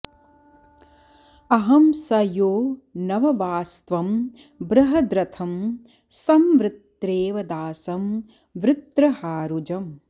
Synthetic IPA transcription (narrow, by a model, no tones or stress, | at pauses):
ɐɦɐmsɐjoːnɐʋɐʋaːst̪ʋɐm | bɾɐɦɐd̪ɾɐt̪ʰɐm | sɐmʋɾɪt̪ɾeːʋɐd̪aːsɐm | ʋɾɪt̪ɾɐhaːɾud͡ʒɐm